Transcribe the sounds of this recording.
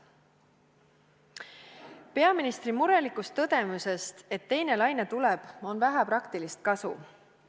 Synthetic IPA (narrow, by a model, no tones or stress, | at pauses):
pe̞ɑminist̪rimuɾe̞likːˑust̪ːɤd̪̥e̞muse̞st̪e̞t̪ːe̞jne̞lɑjne̞t̪uleb̥o̞nvæɦæpɾɑkt̪ilist̪̚kɑsu